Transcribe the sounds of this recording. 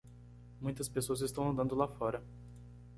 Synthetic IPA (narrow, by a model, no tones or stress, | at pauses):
mũj̃t̪ɐspesoɐzɪst̪ɐ̃w̃ɐ̃nd̪ɐ̃nd̪ʊlafɔɾɐ